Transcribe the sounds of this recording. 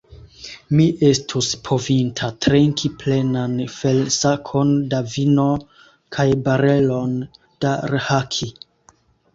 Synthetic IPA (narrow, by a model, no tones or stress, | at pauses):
miʔe̞stʰuspʰo̞vintʰatɾeŋkʰiple̞nanfelsakʰo̞ndavino̞ | kʰajbaɾe̞lo̞n | d̥aɾehakʰi